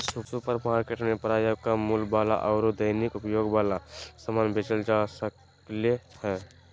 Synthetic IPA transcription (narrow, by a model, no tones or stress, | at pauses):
suksupəɾmaːɾkeːʈnepəɾaːjakamulbaːla̰ʔɔʊɾod̪əɪnikʊpjoːɡʋaːlasəmaːnbʱet͡ʃəld͡ʒasək | lehɛː